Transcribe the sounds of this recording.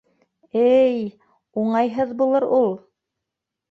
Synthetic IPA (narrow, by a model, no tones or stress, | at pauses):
ɘj | uɴɑjɦɤðbulˠɤɾulˠ